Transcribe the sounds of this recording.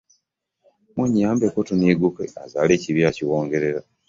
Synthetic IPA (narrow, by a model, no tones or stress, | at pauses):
muɲːaːmbekotuniːɡukeazaːle̞ːciβjaciwo̞ːŋɡe̞ɾe̞ɾa